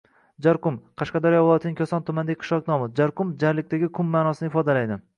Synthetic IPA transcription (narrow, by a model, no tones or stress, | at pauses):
d͡ʒaɾqʊmqʰɑʃqɑd̪ɒɾjɒvʊlˠjɒt̪ʰɪnɪŋkʲʰasɒnt̪ʰʊmand̪aqʰʃlˠɒknɒmɪd͡ʒaɾqʊmd͡ʒaɾlɪk̚ʲt̪aɡʲɪkʰʊmːaːnɒsɪnɪfɒd̪alajd̪ɪ